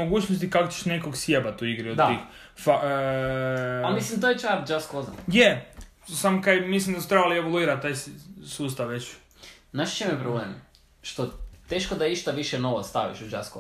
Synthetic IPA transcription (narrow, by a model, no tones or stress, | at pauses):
oɡuːt͡ɕnost̪ikakot͡ɕe̥ʃne̞koɡsjebat̪uiɡɾiod̪ix | fa | mislimt̪ojet͡ʃabd͡ʒaskoza̰nje | samokajmislimd̪asu̥t̪ɾebalieʋoluiːɾat̪aːjsuːst̪aʋʋet͡ɕ | naʃt͡ʃemepɾobleːm | ʃt̪ot̪eːʃkod̪aiʃt̪aʋiʃenoʋost̪a̰ʋḭʃud͡ʒasko̰